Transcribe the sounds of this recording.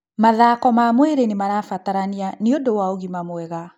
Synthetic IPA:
maðaːkɔmamwɛɾenemaɾafataɾanianiodowaoɣimamwɛɣa

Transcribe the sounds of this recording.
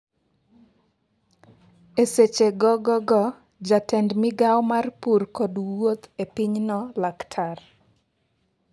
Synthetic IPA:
eset͡ʃeɡɔɡɔɡɔ | d͡ʒatɛndmɪɡawmarpurkɔdwot̪epiɲnɔlaktʰar

